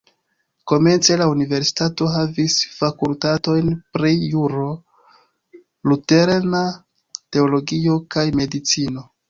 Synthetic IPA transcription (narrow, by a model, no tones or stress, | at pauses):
ko̞me̞nt͡se̞launive̞ɾsi̥tato̞ɦavisfakultato̞jnpɾijuɾo̞ | lute̞ɾna | te̞o̞lo̞ɡio̞kajme̞dit͡sino̞